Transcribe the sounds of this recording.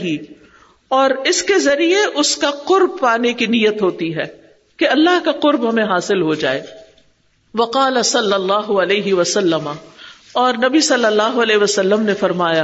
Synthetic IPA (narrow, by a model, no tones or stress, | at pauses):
ɦi | ɔːɾɪskezɐɾieʔʊskaqʊɾb̚paːnekinijət̪ɦoːt̪iɦɛː | keɐlːaɦkaqʊɾbɦɐmẽɦaːsɪlɦod͡ʒaːeː | ʋɐqɑːlɐsɐlːɐlːaːɦʊɐleːɦɪʋɐsɐlːəmaɔːɾnɐbisɐlːɐlːaːɦʊɐlɛːɦʋɐsɐlːəmnefɐɾmaːja